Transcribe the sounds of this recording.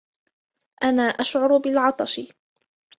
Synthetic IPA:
ʔanaːʔaʃʕʊɾʊbɪlʕɑt̪ˤɑʃɪ

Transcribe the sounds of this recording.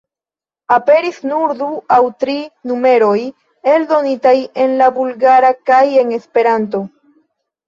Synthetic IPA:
ape̞ɾisnuɾduawtɾinume̞ɾo̞j | e̞ldo̞nitaje̞nlabulɡaɾakaje̞ŋe̞spe̞ɾant̬o̞

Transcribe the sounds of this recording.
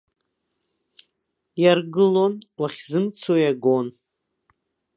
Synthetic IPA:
jarɡɨlo̞nwaχʲzɨmt͡sʰojaɡo̞n

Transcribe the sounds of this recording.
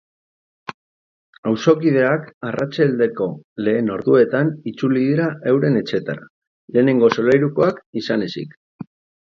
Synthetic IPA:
awso̞kiðe̞akarʔat͡ʃald̪e̞ko̞le̞ːno̞ɾðue̞t̪anit͡suliðiɾaewɾe̞ne̞t͡ʃe̞t̪aɾa | le̞ːne̞ŋɡo̞so̞lajɾuko̞akisane̞sḭk

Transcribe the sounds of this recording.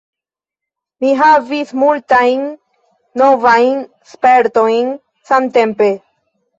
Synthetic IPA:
miɦavismultajnː | o̞vajn | spe̞ɾto̞jn | sante̞mpe̞

